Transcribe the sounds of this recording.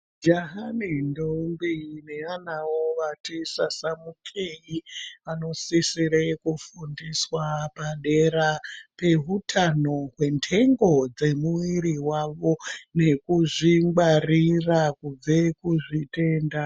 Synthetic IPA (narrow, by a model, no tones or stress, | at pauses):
d͡ʒaɦanindoumbine̞anawoʋatisasamukʰejiʋano̞sisiɾekufundiswapaɗe̞ɾape̞ɦutʰano̞ɦwe̞ntʰe̞ŋɡo̞d͡ze̞muwiɾiwaʋo̞ne̞kuʐiŋɡarirakub͡vekuʐite̞nda